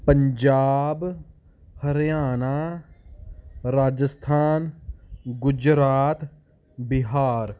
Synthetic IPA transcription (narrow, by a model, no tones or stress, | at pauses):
pəɲd͡ʒaːb | hɐɾjaːna | ɾaːd͡ʒəst̪ʰaːn | ɡʊd͡ʒɾaːt̪ | bɪɦaːɾ